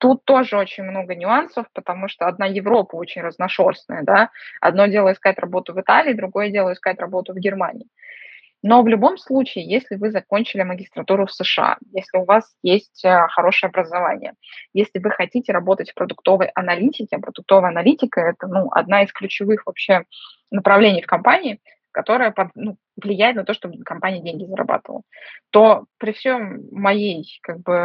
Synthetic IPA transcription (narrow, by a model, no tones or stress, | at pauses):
t̪ut̪ːo̞ʐɨo̞t͡ɕɪnʲmno̞ɡənʲʊansəfpət̪ɐmuʂt̪oɐd̪̚najɪvɾo̞pəo̞t͡ɕɪnʲrəznɐʂo̞rsnə̰jəd̪aɐ̰d̪no̞dʲe̞lˠəɪskaɪt̪rɐbo̞t̪ʊvɨt̪alʲɪːd̪ɾʊɡo̞jədʲe̞lˠəɪskat̪ʲɾɐbo̞t̪ʊvɡʲɪrmanʲɪ̰ː | no̞vlʲʊbo̞mslˠut͡ɕɪːjesʲlʲɪvɨzɐko̞nʲt͡ɕɪlʲɪməɡʲɪst̪ɾɐt̪uɾʊfsɨʂɨa̰jesʲlʲɪʊvasjesʲtʲəxɐɾo̞ʂɨjəɐbɾəzɐva̰nʲɪ̰jə | jesʲlʲɪvɨxɐtʲitʲɪɾɐbo̞t̪ətʲfpɾəd̪ʊkt̪o̞vəjʔɐnɐlʲitʲɪkʲɪɐpɾəd̪ʊk̚t̪o̞vəjəɐnɐlʲitʲɪkəɛt̪ənuʔɐ̰d̪naɪsklʲʉt͡ɕɪvɨxvɐpɕːe̞ | nəpɾɐvlʲenʲɪjfkɐmpanʲɪː | kɐt̪o̞ɾəjəpɐd̪nu | vlʲɪjæjɪt̪nɐt̪oʂt̪ob̪kɐmpanʲɪjədʲenʲɡʲɪzəɾɐ̰ba̰t̪əvəlˠət̪o̞pɾʲɪfsʲomːɐjejkaɡ̚bɨ